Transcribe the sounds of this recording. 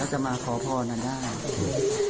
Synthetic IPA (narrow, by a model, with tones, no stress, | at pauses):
ɛː˦˥˩t͡ɕa˧ʔmaː˧kʰɔː˩˦pʰɔː˧naː˧˩daː˥˩j